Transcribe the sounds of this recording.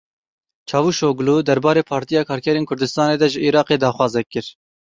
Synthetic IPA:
t͡ʃʰɑːvuːʃoːɡluːd̪ɛɾbɑːɾeːpʰɑːɾt̪ijɑːkʰɑːɾkʰɛɾeːnkʰʊɾd̪ɨst̪ɑːneːd̪ɛʒɨʔiːɾɑːqeːd̪ɑːxwɑːzɛkːɨɾ

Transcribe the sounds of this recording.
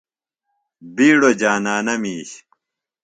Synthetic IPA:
biːɽod͡ʑaːnaːnɐmiːɕ

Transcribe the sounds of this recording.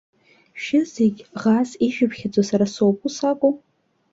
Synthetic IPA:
ʃᶣɪzeɡʲʁasiʒᶣɪpʰχʲad͡zʼosaɾasowpʼusakʷʼʊ

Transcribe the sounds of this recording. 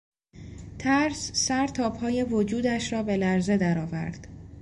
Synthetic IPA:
t̪ʰæɾsːæɾt̪ʰɒːphɒːje̞vod͡ʒuːd̪æʃɾɒːbe̞læɾze̞d̪æɾɒːvæ̰ɾd̪̥

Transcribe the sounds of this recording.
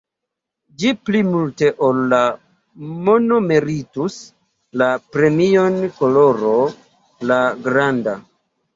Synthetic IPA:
d͡ʒiplimulte̞ʔolːa | mono̞meɾitus | lapɾe̞mio̞nkolo̞ɾo | laɡɾanda̰

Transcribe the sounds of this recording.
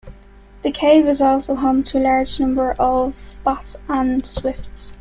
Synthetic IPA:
ðəkʰeɪvɪzɔlˠsoʊɦõʊ̃mtʰəəlɑɹd͡ʒnʌ̃mbə˞ʔəvb̥ʌtsə̃nswɪfts

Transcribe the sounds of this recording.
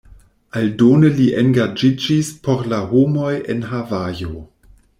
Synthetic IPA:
aldonəliʔenɡad͡ʒid͡ʒispʰo̞ɾlaɦomo̞jḛnɦavajo

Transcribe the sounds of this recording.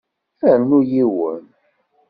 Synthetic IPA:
θænujiwə̰n

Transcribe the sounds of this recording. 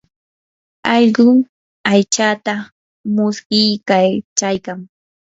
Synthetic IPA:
ɑʎɢʊ | ajt͡ʃat̪a | mʊskɪjkat͡ʃajkaŋ

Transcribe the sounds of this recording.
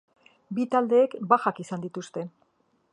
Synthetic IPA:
bit̪ald̪e̞ːkbaxakisand̪it̪ust̪e̞

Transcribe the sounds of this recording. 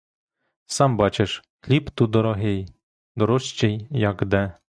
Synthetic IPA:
sɑmbɑt͡ʃeʃxlʲipt̪ud̪ɔɾɔɦej | d̪ɔɾɔʃt͡ʃejjɑɡd̪ɛ

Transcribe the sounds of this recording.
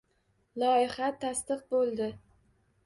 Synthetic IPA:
lˠɒɪχat̪ʰast̪ɨq̚bolˠd̪ɪ

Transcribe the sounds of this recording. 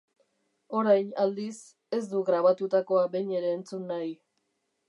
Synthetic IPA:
o̞ɾajnald̪is | e̞zd̪uɣɾaβ̞at̪ut̪ako̞abe̞ɲe̞ɾe̞ːnt͡sunːaj

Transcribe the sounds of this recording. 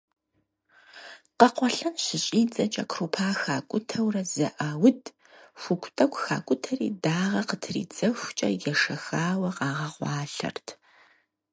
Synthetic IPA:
qɐqʷɔɬɐnɕɪɕʼiːd͡zʼɐt͡ʃʼɐkʰruːpʰaːxaːkʷʼʊtʰɐwrɐzɐ̰ʔaːwʊd | xʷʊkʷʰʼtʰʼɐkʷʰʼxa̰ːkʷʼʊtʰɐrḭːdaːʁɐqətʰrḭːd͡zɐxʷt͡ʃʼɐ̰jɛʂɐxaːwɐqɑːʁɐʁʷɑːɬɐ̰rtʰ

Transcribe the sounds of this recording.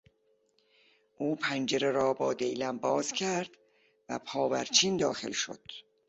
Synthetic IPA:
ʔuːpʰænd͡ʒeɾeɾɒːbɒːd̪ejlæmbɒːz̥cʰæɾd̪̥ | væ̰pʰɒːvæ̰ɾt͡ʃʰiːnd̪ɒːxe̞̰lʃo̰d̪̥

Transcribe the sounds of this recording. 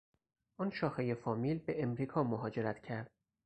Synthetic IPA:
ʔɔnʃɒːxeje̞fɒːmiːlbe̞ʔemɾiːkʰɒːmoɦɒːd͡ʒe̞ɾæt̪ʰcʰæɾd̪̥̚

